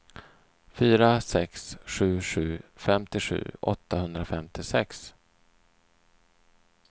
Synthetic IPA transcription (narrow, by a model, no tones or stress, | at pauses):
fyːɾasɛksɧʉ̟ːɧʉ̟̰ːfɛmt̪ɪɧʉ̟̰ːʔɔ̰t̪ːahɵnd̪ɾafɛmt̪ɪsɛks